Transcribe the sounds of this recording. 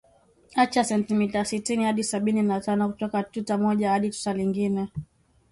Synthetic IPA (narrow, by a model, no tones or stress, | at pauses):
at͡ʃasɛntimitasitinihaɗisaɓininatanɔkutɔkatutamɔʄahaɗitu̥taliŋɡinɛ